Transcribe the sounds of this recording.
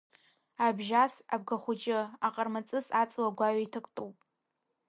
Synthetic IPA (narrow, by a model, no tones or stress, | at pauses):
abʒasab̚ɡaχʷʊd͡ʒʼɪaqʼarmat͡sʼɨsat͡sʼlaɡʷaɥaitʰɨkʷʼtʼuwpʼ